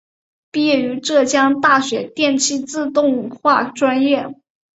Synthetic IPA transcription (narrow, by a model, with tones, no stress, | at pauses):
pi˥˧jɛ˥˩y˧˥ʈ͡ʂɤ˥˩t͡ɕjɑ˥ŋt̪a˥˩ɕɥɛ˧˥t̪jɛ˥˧nt͡ɕʰi˥t͡sɹ̩˥˧t̪ʊ˥˧ŋxwa˥˩ʈ͡ʂwa˥njɛ˥˩